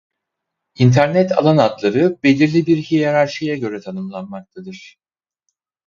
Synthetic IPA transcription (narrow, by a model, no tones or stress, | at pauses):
int̪ʰæɾnɛt̪ʰa̰lˠanat̪lˠaɾɯbe̞lʲiɾlʲibiɾhijaɾaɾʃijaɟø̞ɾɛt̪ʰanɯmlˠanmak̚t̪ʰad̪ɯɾ̥